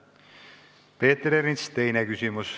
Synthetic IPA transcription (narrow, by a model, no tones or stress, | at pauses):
peːt̪ːɾeɾinst̪e̞jnekysymus